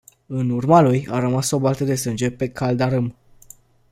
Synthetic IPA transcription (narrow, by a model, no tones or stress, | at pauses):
ɨnurmalujaɾəmaso̞balt̪əd̪e̞sɨnd͡ʒe̞pe̞kʰald̪aɾɨm